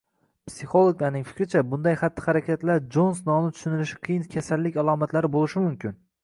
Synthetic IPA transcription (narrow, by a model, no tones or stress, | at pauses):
psiχo̞lˠoɡlaɾnɪŋfɪ̥kʲɾɪt͡ʃʰabʊnd̪ajχat̪ːɪ̥χaɾakʲʰat̪laɾd͡ʒonsnɒnɪt̪ʰʊ̥ʃʊnɪlɪʃɪ̥qʰɨjɪnkʲʰasalːɪkʲalˠɒmat̪laɾɪbolɪʃɪmʊmkʲɪn